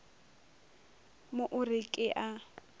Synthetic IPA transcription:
mʊʔʊrɪkʼɪʔa

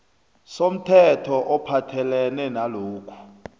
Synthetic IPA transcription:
som̩tʰɛtʰɔʔɔpʰatʰɛlɛnɛnaloːkʰu̥

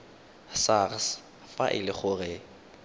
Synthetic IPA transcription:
sars | faʔɪ̰lɪχʊrɪ

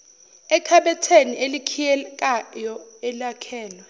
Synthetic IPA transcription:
ɛkʰaɓɛtʰeniʔelikʰijɛkʼajɔɛlakʰɛːlwɛ

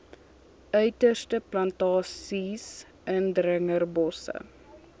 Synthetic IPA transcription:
ʔœɥtərstəplɐntɑːsis | əndɾəŋərbɔsə̰

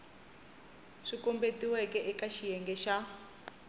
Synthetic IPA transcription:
ʂikɔmbetiwɛkɛʔɛkaʃijɛŋɡɛʃa

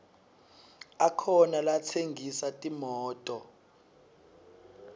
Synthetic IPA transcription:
akʰɔnalat͡sʰeŋɡʱisatʼimɔːtʼɔ

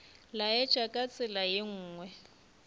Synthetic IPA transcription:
laɛ̥t͡ʃʼakʼat͡sʼɪlajeŋ̩ːŋwɛ

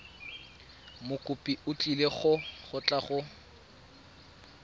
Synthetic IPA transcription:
mʊkʼʊpʼiʊt͡ɬʼileχʊχʊt͡ɬʼaχʊ

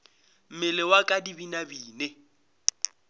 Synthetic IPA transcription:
m̩mɪlɪwakʼadibinabiːne

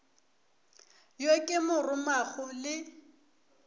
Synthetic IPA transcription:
jokʼɪmʊrʊmaɣʊlɪ

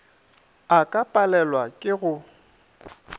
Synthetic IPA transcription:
akʼapʼalɛlwakʼɪɣʊ

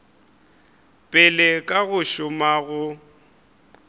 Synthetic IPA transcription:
pʼɪlɛkʼaɣʊʃʊmaɣʊ

